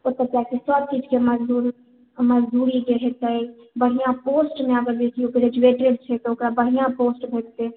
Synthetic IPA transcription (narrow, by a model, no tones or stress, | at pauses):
oɾt̪ət̪jakesəb̚t͡ʃid͡ʒkeməd͡ʒd̪uɾ | məd͡ʒd̪uɾid͡ʒeɦɛt̪əj | bəɽ̤ijãposʈmeəɡəɾbesiokeɾed͡ʒueʈɾibt͡ʃʰɛt̪ɔokɾabəɽ̤ijãposʈbʱet̪e